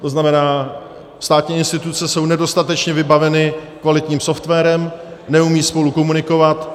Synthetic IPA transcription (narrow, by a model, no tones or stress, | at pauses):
t̪o̞znamɛnaː | st̪aːt̪ɲiːɪnst̪ɪt̪ut͡sɛso̞wnɛdo̞st̪at̪ɛt͡ʃɲɛvɪbavɛnɪkvalɪt̪ɲiːmso̞ft̪vɛːɾɛmnɛumiːspo̞lukomunɪko̞vat̪